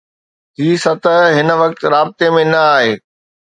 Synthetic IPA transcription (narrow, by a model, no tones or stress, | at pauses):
ɦ̪iːsɐt̪əɦɪnʋɐk̚t̪ɾaːbɪt̪emẽnɐaːɦeː